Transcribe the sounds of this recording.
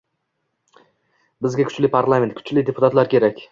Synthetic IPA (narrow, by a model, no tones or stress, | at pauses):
bɪzɡʲakʰʊ̥t͡ʃlɪpʰaɾlˠamʲent̪kʰʊ̥t͡ʃlɪd̪e̞pʰʊ̥t̪ʰat̪laɾkʲʰeɾakʲ